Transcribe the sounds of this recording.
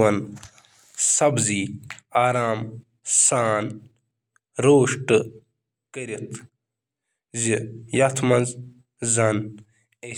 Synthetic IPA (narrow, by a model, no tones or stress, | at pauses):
ɐn | sɐbziːaːɾaːm | saːn | ɾoːʂʈ | kɐɾit̪ʰ | zijɐt̪ʰmɐnz | zɐn | e